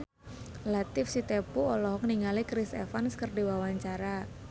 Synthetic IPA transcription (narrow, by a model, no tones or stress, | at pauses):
lat̪ɪfsit̪epuɔlɔɦɔkniŋalikɾɪsḛfanskərdiwawaɲt͡ʃaɾa